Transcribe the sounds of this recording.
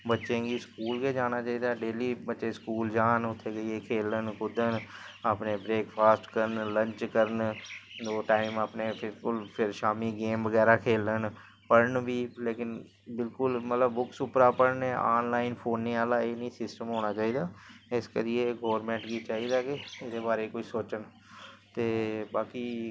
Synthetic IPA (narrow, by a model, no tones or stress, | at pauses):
bətːʃẽːɡiskuːlɡed͡ʒaːnaːt͡ʃaːiːd̪aːɖeːliːbətːʃeskuːld͡ʒaːnʊt̪ʰːekəiekʰeːlənkʊd̪ənapneːbɾeːkpʰaːsʈkəɾənlə̃ɲt͡ʃkəɾənd͡ʒoːʈaːɪmapnepʰɪkʊlpʰɪɾʃaːmiːɡeːmʋəɡɛːɾaːkʰeːlən | pəɽəɳbiːleːkɪn | bɪlkʊlmət̪ləbːʊksʊpɾaːpəɽnɛːaːnlaːɪnpʰoːnːeːaːlaːeːnĩːsɪsʈəmɦoːɽ̃aːt͡ʃaːiːd̪aːɪskə̰ɾieːɡoːɾmɛ̃ːɳʈɡiːt͡ʃaːiːd̪aːkɪed̪eːbaːɾeːkoisoːt͡ʃən | t̪eːbaːkiː